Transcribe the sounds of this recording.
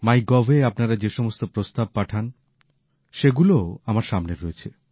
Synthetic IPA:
majɡɔvʱeapnaɾad͡ʑeʃɔmost̪opɾost̪ab̚paʈʰan | ʃeɡuloamaɾʃamneɾːoet͡ɕʰe

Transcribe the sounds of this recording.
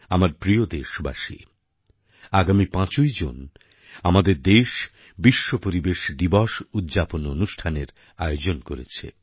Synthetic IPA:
amaɾpɾiod̪eʃba̰ʃḭ | aɡamipãt͡ɕojd͡ʑo̰n | amad̪eɾd̪eʃ | biʃːopoɾibeʃd̪ibɔʃud̪d͡ʑapononuʃʈʰaneɾ | a̰eod͡ʑonkoɾḛt͡ɕʰḛ

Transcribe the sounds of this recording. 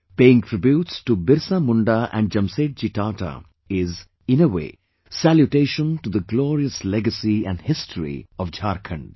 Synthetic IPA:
peːɪ̃ŋʈʰɾɪbjuːʈsʈubɪɾsamʊ̃ɳɖaʔæ̰̃ɳɖ̚d͡ʒɐ̃mseːʈ̚d͡ʒiʈaːʈa̰ | ɪz | ɪ̃nəwḛː | sæljuʈeːʃə̃nʈud̪əɡlɔːɾiəslɛɡəsiæ̰̃ɳɖhɪsʈʰɾḭɔʋd͡ʒaːɾkʰə̃ɳɖ

